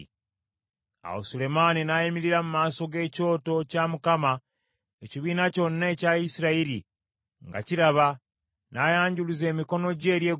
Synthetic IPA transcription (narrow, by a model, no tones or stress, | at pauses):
a̰wo̰sule̞maninajemiɾiɾamumaːso̞ɡe̞ːco̞ːto̞camukama | eciβiːnaco̞nːaecaisiɾaiɾi | ŋɡa̰ciɾaβa | najaːɲɟuluze̞ːmiko̞no̞ɟe̞ːɾje̞ː